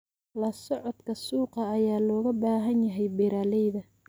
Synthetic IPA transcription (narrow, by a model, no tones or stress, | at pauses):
lɐsɔʕɔd̪kʰɐsuːqɑːjaːlɔːɣɐbaːɦɐnjɐɦɛjbɪɾaːlɛjðɐ